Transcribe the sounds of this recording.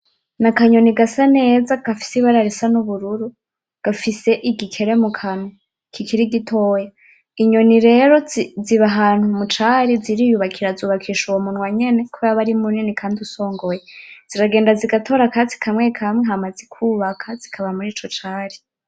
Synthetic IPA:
nakaɲo̞niɡasane̞ːzaɡ̥afi̥siβaɾaɾisanuβuɾuɾu | ɡ̥afise̞ʔiɡikʰe̞ɾe̞mukʰanu | kʰikʰiɾiɡitʰo̞ːja | iɲo̞niɾe̞ːɾo̞ziβaɦaːn̥humut͡ʃaːɾiziɾijuβakʰiɾazuːβakʰiːʃuwomunwaɲe̞ne̞kʰojaβaɾimuninikʰaːndiuso̞ːŋɡo̞jez̥iɾaɡe̞ːndaziɡatʰo̞ːɾakat͡si̥kʰamwekʰamweɦamazikʰuβakʰaz̥ikʰaβamuɾiːt͡ʃot͡ʃaːɾi

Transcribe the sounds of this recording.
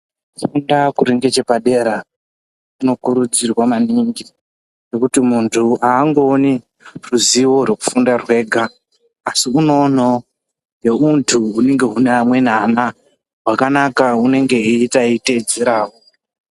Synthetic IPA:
fundakuɾiŋɡet͡ʃe̞paɗe̞ːɾa | kuno̞kuɾud͡zirwamaniŋɡi | ne̞kutimuntʰuaːŋɡo̞ːni | ruziwo̞rweku̥fundarwe̞ːɡʱaː | siuno̞no | jeuntʰuːne̞ŋɡe̞ɦunamwe̞n̤ana | ɦwakanakaune̞ŋɡe̞itaited͡zeɾaːwo

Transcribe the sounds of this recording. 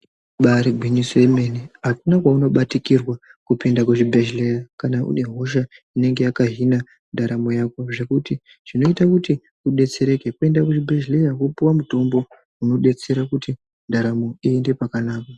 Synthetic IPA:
ɓaɾiɡʱwiɲisoemeniɦakunakwauno̞ɓatikirwakupindakuʐibʱeʒlerakanaʔṵne̞ɦo̞ʃ̬aine̞ŋɡe̞jakaɦina | ndaɾamo̞jako̞ʐe̞kuti | ʐ̥ino̞itakuti | uɗe̞t͡se̞ɾe̞ke̞kue̞ndakuʐibʱeʒle̞rakupuwamuto̞mbo̞ | uno̞ɗe̞t͡se̞ɾakuti | ndaɾamo̞iende̞pakanaːka

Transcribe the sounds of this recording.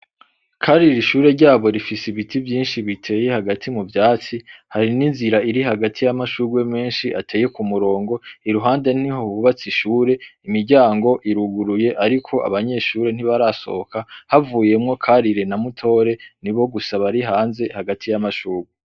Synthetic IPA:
kʰaɾiɾiʃuːɾe̞ɾɟaːβo̞ɾifisiβitivjiːnʃiβitʰe̞ːje̞haɡatʰimuvjaːt͡sihaɾininziɾaiɾiɦaɡatʰijamaʃuːɡwe̞me̞ːnʃiʔatʰe̞ːje̞kumuɾo̞ːŋɡo̞iɾuɦaːnde̞n̥ihoβuβat͡siʃuːɾe̞imiɾɟaːŋɡo̞ʔiɾuɡuɾuje̞ʔaɾikʰo̞ʔa̰βaɲe̞ʃuːɾe̞n̥iβaɾaso̞̰okahavuːje̞mŋo̞kʰaɾiɾenamutʰo̞ːɾe̞niβo̞ɡusaβaɾiɦaːnze̞haɡatʰijamaʃuːɾɡwe

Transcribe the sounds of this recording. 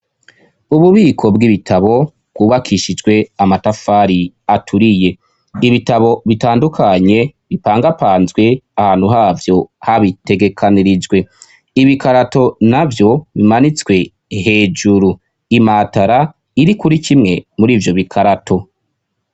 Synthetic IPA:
uβuβiːkʰo̞bɡiβitʰaβo̞ | b̥ɡuːβakʰiʃid͡ʒɡwe̞amatafaːɾi | atʰuɾije̞ | iβitaβo̞βitaːndukʰaɲe̞βipaːŋɡapaːnzɡwe̞ahaːnhuɦaːvjo̞haβite̞ɡe̞kʰaniɾid͡ʒɡwe̞ | iβikaɾato̞navjo̞βimanit͡swe̞ | ɦe̞ːd͡ʒuɾu | imataɾa | iɾikuɾikʰimŋe̞muɾiːvjo̞βikʰaɾatʰo̞

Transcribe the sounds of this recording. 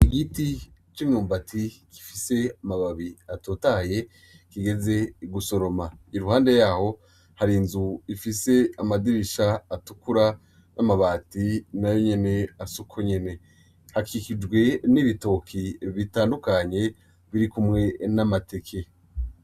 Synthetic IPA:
iɡiti | t͡ʃimɲuːmbatʰikʰi̥fise̞amaβaβiato̞ːtaje̞ | kiɡe̞ze̞ɡuso̞ɾo̞maiɾuhaːnde̞jaːho̞ | haɾinzuifise̞amadiɾiʃaːtukuɾa | nʔamaβaːtinajo̞ɲe̞ne̞asukʰoɲe̞ne̞ | hakʰikid͡ʒɡwe̞niβito̞kʰiβitaːndukaɲe̞ | βiɾikumŋe̞namate̞kʰe̞

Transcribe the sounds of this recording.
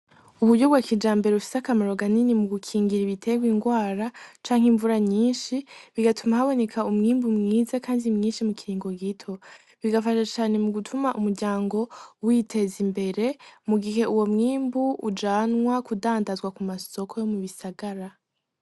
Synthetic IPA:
uβuɾɟo̞βɡwakid͡ʒaːmbe̞ɾeufi̥seakamaɾo̞ɡaninimuɡukʰiːŋɡiɾiβitʰe̞ɡwiːŋɡwaːɾat͡ʃaːŋhiɱvuɾaɲiːnʃiβiɡatʰumahaβo̞ne̞kʰaumŋiːmbumŋiːzakaːndimŋiːnʃimukiɾiːŋɡo̞ɡitʰo̞ | βiɡafaʃat͡ʃaːne̞muɡutʰumaʔumuɾɟaːŋɡo̞witʰe̞zimbe̞ɾe̞muɡiɦe̞uwo̞mŋiːmbuud͡ʒaːnwakudaːndazɡwakumaso̞kʰo̞jo̞muβisaɡaɾa

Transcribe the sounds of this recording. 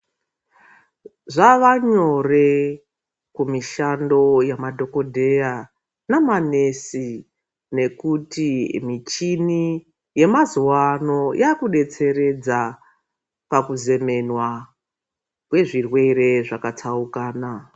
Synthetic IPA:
ʐaʋaɲo̞re̞ | kumiʃando̞jamadʱo̞ko̞dʱe̞ja | namane̞si | ne̞kutimit͡ʃini | je̞mazuwano̞jʔakuɗe̞t͡se̞ɾe̞d͡za | pakuze̞me̞nwa | kwe̞ʐirwe̞re̞ʐakat͡saukaːna

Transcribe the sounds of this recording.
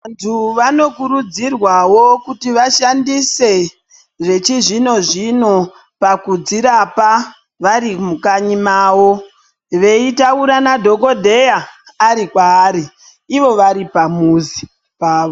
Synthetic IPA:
antʰuʋano̞kuɾud͡zirwawo̞kutiʋaʃandise̞ | ʐe̞t͡ʃiʐino̞ʐino̞ | pakud͡ziɾapa | ʋaɾimukaɲimaːwo̞ | ʋe̞itauɾanadʱo̞ko̞dʱe̞jaː | ɾikwaːɾiː | ʋo̞ʋaɾipamuzi | paːʋo

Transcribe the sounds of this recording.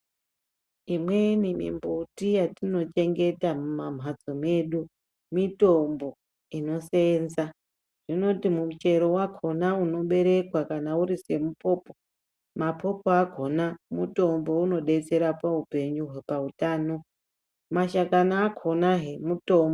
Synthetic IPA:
imwe̞nimḭmbutijatino̞t͡ʃe̞ŋɡe̞tamumam̤ɦad͡zome̞ɗu | mito̞mbo̞ | ino̞se̞nza | ʐ̥ino̞timumut͡ʃe̞ɾo̞wakʰo̞nauno̞ɓe̞ɾe̞kwakanauɾise̞mupo̞ːpo | mapʰo̞poaɡʱo̞namuto̞mbo̞uno̞ɗe̞t͡se̞ɾapaupe̞ɲuɦwepautaːno̞ | maʃakanaːkʰonaɦe̞muto̞mbo

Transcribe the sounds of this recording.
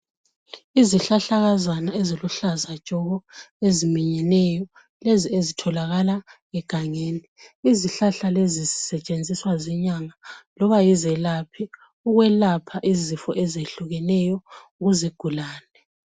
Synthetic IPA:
iziɬaɬaɣazanaeziluɬazḁt͡ʃʼɔɣɔezimiɲɛnɛjɔ | leziezitʰɔlaɣala | ɛɡ̥ʱaŋeːniːziɬaɬalezizisɛt͡ʃʼend͡zʱiswazɛɲaŋalɔβajizɛlapʰi | uɣwɛlapʰaʔizifɔʔɛzeɬuɣɛnɛjɔuɣuziɡ̥ʱulaːnɛ

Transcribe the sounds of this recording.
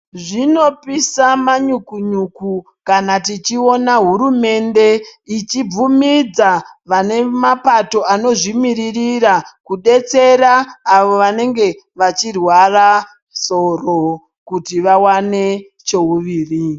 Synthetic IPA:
ʐino̞pisamaɲukuɲuku | kanatit͡ʃio̞naɦuɾume̞nde̞it͡ʃib͡vumid͡zaʋane̞mapato̞ano̞ʐimiɾiriɾakuɗe̞t͡se̞ɾaːʋo̞ʋane̞ŋɡe̞ | ʋat͡ʃirwara | so̞ro | kutiʋawane̞ | t͡ʃo̞uʋiːri

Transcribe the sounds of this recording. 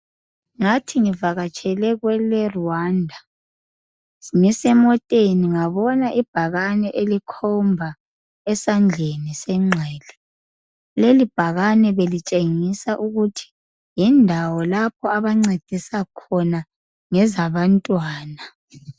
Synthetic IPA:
ŋatʰiŋivaɣat͡ʃʼʰɛlɛɣwɛlɛruwaːndʱa | siŋisɛmɔtʼeniŋaβɔnaʔib̥ʱaɣanɛʔelikʰɔmbʱa | ɛsand͡ɮʱenisɛŋ͡ǀʱɛːlɛ | lelib̥ʱaɣanɛβelit͡ʃʼeŋisaʔuɣutʰi̥ | jindʱawɔlapʰɔaβaŋ͡ǀed̥ʱisakʰɔna | ŋɛzaβantʼwaːna

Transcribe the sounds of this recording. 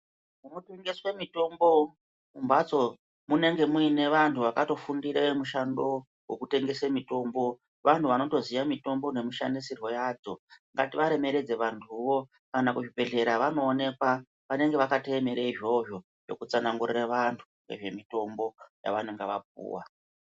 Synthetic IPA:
munuteŋɡeswemito̞mbo̞ | mumbat͡so̞ | mune̞ŋɡe̞muine̞ʋantʰuʋakato̞fundiɾemuʃando̞ | wekute̞ŋɡe̞semito̞mbo̞ | ʋantʰuʋano̞to̞zijamito̞mbo̞ne̞miʃandisirwo̞jad͡zo̞ŋɡatiʋaɾe̞me̞ɾe̞d͡ze̞ʋantʰuʋo̞ | kanakuʐibe̞ɮe̞ɾaʋano̞ːne̞kwa | ʋane̞ŋɡe̞ʋakateːmeɾeiʐo̞ʐo̞ | ʐo̞̰kut͡sanaŋɡuriraʋantʰuŋḛʐe̞mito̞mbo̞ja̰ʋane̞ŋɡeʋapṵːwa̰

